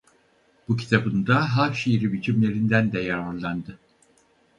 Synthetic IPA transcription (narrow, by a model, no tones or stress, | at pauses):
b̥ucʰi̥t̪ʰabɯnd̪aɦaʃiɾibit͡ʃʰimlʲe̞ɾind̪ænd̪ɛjaɾaɾlˠand̪ɯ